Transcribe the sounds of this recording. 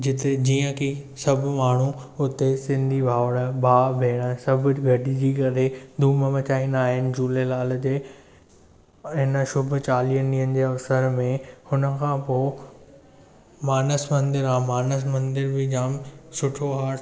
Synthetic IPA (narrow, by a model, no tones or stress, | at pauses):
d͡ʑɪt̪ed͡ʑiːə̃kʰesɐbʱmaːɳ̤uʊt̪esɪ̃nd̪ʱibʱaːʋəɽ̃əbʱaːbʱeːɽ̃ãsɐbʱʊɡʱɐɖid͡ʑiːkɐɾed̪ʱuːməmɐt͡ɕaːĩnaːɦɪnɪ̆d͡ʑuːlelaːld͡ʑeː | ɪnəʃʊbʱʊ̆t͡ɕaːlijəniːənɪ̆d͡ʑeːɐsəɾmẽhʊnə̆kʰãːpoː | maːnəsmɐ̃nd̪ɪɾãːmaːnəs̬mɐ̃nd̪ɪɾbʱɪd͡ʑaːmsʊʈʰoɦaːɾ